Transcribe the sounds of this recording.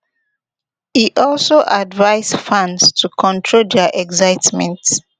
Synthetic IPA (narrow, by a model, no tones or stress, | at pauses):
hiʔɔlsoʔadvaɪzfãnstʰukʰɔ̃ntʰɹoldɛʔɛɡzaɪtmɛ̃nt